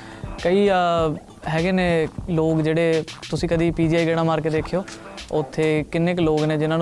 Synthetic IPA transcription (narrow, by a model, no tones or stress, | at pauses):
kəiː | ɦɛːɡeːneːloːkd͡ʒeːɽeːt̪ʊsĩːkəd̪iːpiːd͡ʒiːaːiɡeːɽ̃aːmaːɾkeːd̪eːkʰejoːʊt̪ʰːeːkɪnːeːkloːɡneːd͡ʒɪnãːn